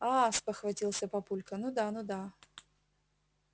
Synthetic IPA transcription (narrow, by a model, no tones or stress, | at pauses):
aspəxvɐtʲilˠsʲəpɐpulʲkənud̪anud̪a